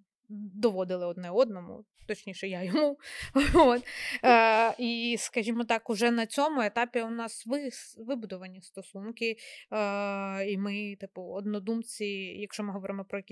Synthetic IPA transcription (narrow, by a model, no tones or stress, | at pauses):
d̪ɔʋɔd̪ɪlˠɪɔd̪nɛɔd̪nɔmʊ̰ | t̪ɔt͡ʃnʲiʃɛjajɔmu | ot̪ː | iskɐʒʲimɔt̪ɑkʊʒɛnɐt͡sʲɔmʊet̪ɑpʲiʊnɑsʋɪʋɪbʊd̪ʊʋɐnʲist̪ɔsunkɪ | imɪt̪ɪpʊɔd̪nɔd̪umt͡sʲijɐkʃt͡ʃɔmɪɦɔʋɔɾɪmɔpɾɔjɐkʲi